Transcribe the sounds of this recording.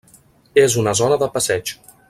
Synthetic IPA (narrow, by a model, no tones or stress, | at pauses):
ezunəzɔnəðəpəsɛd͡ʒ